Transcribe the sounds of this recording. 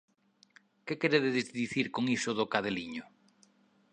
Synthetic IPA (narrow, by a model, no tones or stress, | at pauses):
kekeɾeðeðezðiθiɾkoŋisʊðʊkaðeliɲʊ